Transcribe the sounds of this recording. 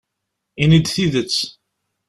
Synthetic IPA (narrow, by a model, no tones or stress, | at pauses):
inid̪θiðət͡s